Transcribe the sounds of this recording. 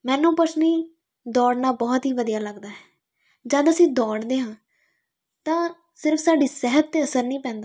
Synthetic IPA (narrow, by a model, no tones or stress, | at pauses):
mɛ̃ːnũːpət͡ʃniː | d̪ɔːɽnaːbɔːt̪ɦiːʋəd̪ijaːləɡd̪aːɦɛː | d͡ʒəd̪əsĩːd̪ɔːɽd̪eːɦãː | t̪ãː | sɪɾfʰsaːɖiːsɛɦət̪̚t̪eːəsəɾnĩːpɛ̃ːnd̪aː